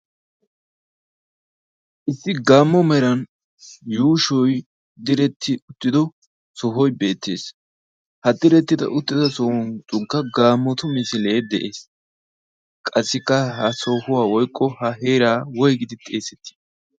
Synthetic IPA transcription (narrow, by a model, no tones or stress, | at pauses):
ʔɪsːɪɡaːmːɔmɛɾɐn | juːʃɔj | d̪ɪɾɛt̪ʰːɪʊt̪ːɪd̪ɔ | sɔɦɔjbe̞ːt̪ːḛːs | hɐd̪ɪɾɛt̪ːɪd̪ɐ̰ʔʊt̪ːɪd̪ɐsɔhʊnt͡sʼʊŋkːɐɡaːmːɔt̪ʊmɪsɪle̞ːd̪ɛ̰ʔe̞ːs | kʼɐsːɪkːɐhɐsɔhʊwaːwɔjkʼːɔhɐɦeːɾaːwɔjɡɪd̪ɪt̪ʼeːsɛt̪ːɪ̥